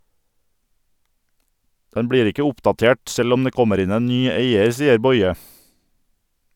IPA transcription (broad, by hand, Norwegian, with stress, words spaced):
ˈdɛn ˈbɽiːɾ ˈɪkə ˈʊpdɑˌteːʈ ˈsɛl ˈɔm ˈdeː ˈkɔməɾ ˈɪn ˈeːn ˈnyː ˈeɪəɾ ˈsiːəɾ ˈbɔʏə